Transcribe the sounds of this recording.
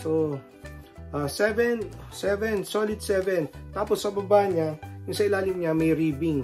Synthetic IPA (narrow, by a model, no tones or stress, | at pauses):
so | ʔasɛvɛnsɛvɛnsoːlɪd̪̚sɛvɛnt̪aːpɔsːɐɐbabaːjɐnɲajʊŋsɐɪlaːlɪmɲamɐjɾiːbɪŋ